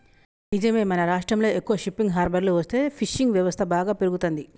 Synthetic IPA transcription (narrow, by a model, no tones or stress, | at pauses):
nid͡ʒɐmeːmɐnɐɾaːʂʈɾɐmlo̞ːekːuʋɐʃipːiŋɡɦaːɾbɐɾluʋɐst̪e̞ːpʰiʃːiŋɡʋjɐʋɐst̪ʰɐbaːɡaːpeɾuɡut̪ond̪i